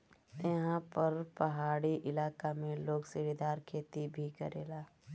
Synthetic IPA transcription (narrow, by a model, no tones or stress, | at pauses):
jɐɦãpɐɾpɐɦaːɽiʔɪlaːkamẽloːɡsɪɾid̪aːɾkʰeːt̪ibʱikɐɾḛːlaː